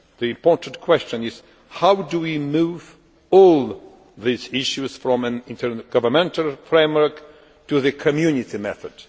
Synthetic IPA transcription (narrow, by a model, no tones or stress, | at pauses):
ðiɪ̃mpɔɹtn̩tkʰw̥ɛst͡ʃə̃nɪz̥ | hawduwimuv | ɔlˠ | ðizɪʃuzfɹɔ̃mæ̃nɪ̃ntʰə˞ɡ̥ʌvə˞mɛ̃ntʰalˠfɹẽɪ̃mwə˞k | tuðɨkʰɨmjʉnɪtimɛθəd̥